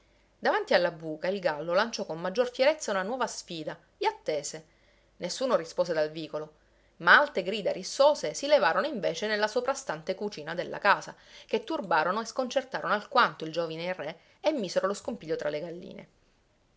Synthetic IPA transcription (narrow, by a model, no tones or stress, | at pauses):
d̪avant̪ialːabuːkailɡalːolant͡ʃɔkomːad͡ʒːorfjeɾet̪sːaunanwɔːvasfiːd̪a | eat̪ːeːse | nesːuːnorispoːsed̪alviːkolo | maalt̪eɡɾiːd̪aɾisːoːzesilevaːɾonoiɱveːt͡ʃenelːasopɾast̪ant̪ekut͡ʃiːnad̪elːʔa̰kaːsaket̪ːurbaːɾonoeskont͡ʃert̪aːɾonoalkwant̪oild͡ʒoːvineire | emːiːseɾoloskompiʎːot̪ɾʔaleɡalːḭːnḛ